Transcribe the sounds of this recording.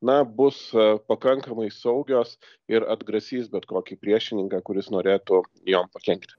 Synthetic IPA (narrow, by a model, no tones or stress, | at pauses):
nɐbʊspɐkɐŋkɐmɐɪsɐʊɡʲoːs | ɪɾɐd̪ɡɾɐsʲiːsbʲɛt̪koːkʲipʲɾʲiɛʃʲɪnʲɪŋkɑːkʊɾʲɪsnoːɾʲeːt̪ʊ | joːmpɐkʲɛŋkt̪ʲ